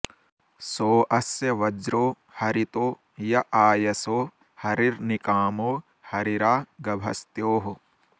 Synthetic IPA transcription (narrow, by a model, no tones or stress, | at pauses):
soːʔɐsjɐʋɐd͡ʒɾoː | hɐɾit̪oː | jɐʔaːjɐsoː | hɐɾiɾnikaːmoː | hɐɾiɾaːɡɐbʱɐ̰st̪joːɦu